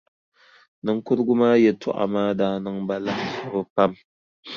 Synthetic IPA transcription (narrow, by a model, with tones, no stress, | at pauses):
nɨ˦ŋ˦kʊ˦ɾɡʊ˦maː˦jɛ˨tʰʊ̰˦˨ʔa̰˨maː˦daː˦nɨ˦ŋba˦la˦ka˨bɨ˦pa˦m